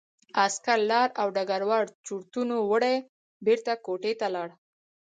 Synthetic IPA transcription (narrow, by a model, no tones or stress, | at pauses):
askaɾlɑɾawɖaɡaɾwɑɽt͡ʃuɾt̪unowəɽaj | beɾt̪akoʈet̪alɑɽ